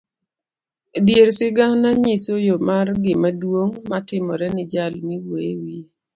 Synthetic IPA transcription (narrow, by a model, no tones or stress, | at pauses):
djeɾsɪɡanaɲisojomarɡɪmadwoŋmatɪmɔɾɛnɪd͡ʒalmiwewi